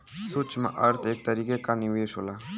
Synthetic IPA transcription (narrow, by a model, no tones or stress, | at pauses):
sut͡ʃmã̰ʔɐɾt̪ʰeːk̚t̪əɾiːkekanɪʋeːʃɦolaː